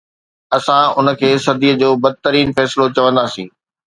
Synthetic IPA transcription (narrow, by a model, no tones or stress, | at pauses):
ɐsãʊnə̆kʰeːsɐd̪ʱiːəd͡ʑoːbɐd̪̚t̪əɾiːnfɛːsɪlot͡ɕɐʋə̃nd̪aːsĩː